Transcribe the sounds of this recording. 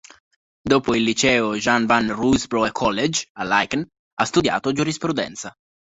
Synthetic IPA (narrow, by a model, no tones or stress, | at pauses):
d̪oːpoilːit͡ʃɛːoʒanvanrusbɾoekʰːɔlːed͡ʒalajkan | ast̪ud̪ja̰ːt̪od͡ʒuɾispɾud̪ɛ̰nt̪sa